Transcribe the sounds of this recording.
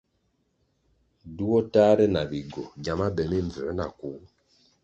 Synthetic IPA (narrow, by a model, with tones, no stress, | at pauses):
du˦wɔ˦ta˦ɾɛ˦na˨βi˨ɡɔ˨ɟa˨ma˦bɛ˨mi˦ɱ˨vɛ˨˦na˨ku˨˦